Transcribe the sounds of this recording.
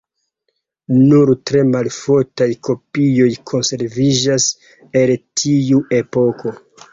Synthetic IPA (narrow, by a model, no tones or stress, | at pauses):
nuɾtɾe̞malfoɾtajko̞pijo̞jkʰo̞nse̞ɾvid͡ʒas | e̞ltʰiue̞po̞kʰo̞